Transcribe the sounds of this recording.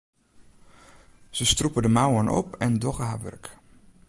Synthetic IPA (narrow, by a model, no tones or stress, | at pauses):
z̥əstrupədəmawənʔɔ̰pɛndɔχəɦaːʋɵ̰rk